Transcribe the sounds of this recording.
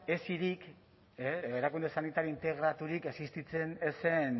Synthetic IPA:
e̞siɾik | eeɾakund̪e̞sanit̪aɾiint̪e̞ɣɾat̪uɾikesist̪it͡se̞nese̞n

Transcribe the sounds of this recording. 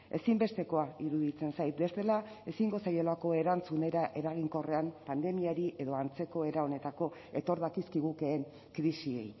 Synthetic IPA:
e̞simbe̞st̪e̞ko̞aiɾuðit͡se̞nsajt̪̚be̞st̪e̞la | e̞siŋɡo̞sajo̞lako̞e̞ɾant͡sune̞ɾaʔe̞ɾaɣ̞iŋko̞re̞ampand̪e̞miaɾiʔe̞ðo̞ant͡se̞ko̞e̞ɾao̞ne̞t̪ako̞e̞t̪o̞ɾðakiskiɣ̞uke̞ːŋ | kɾisie̞̰j

